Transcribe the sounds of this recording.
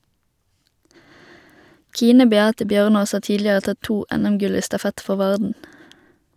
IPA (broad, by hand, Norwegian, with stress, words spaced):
ˈkiːnə bɛˈɑːtə ˈbjœʁˌnoːs ˈɑː ˈtiːdlɪəʁə ˈtɑ ˈtuː ˈɛnɛmˌɡʉl ˈiː stɑˈfɛt ˈfɔʁ ˈʋɑʁdn̩